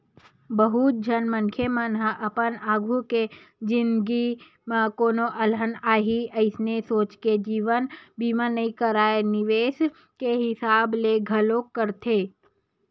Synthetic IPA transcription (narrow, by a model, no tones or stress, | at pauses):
bəɦut̪̚d͡ʒʱɐnmə̃nkʰjemənɦəʔɐpənaːɡʱuked͡ʒɪ̃nd̪ɡi | mãkoːnoʔɐlənaːɦiəɪsnesoːt͡ʃked͡ʒiːʋənbiːmãnəikəɾaːenɪʋeːs | keɦɪsaːbleɡʱɐlokːəɾt̪ʰeː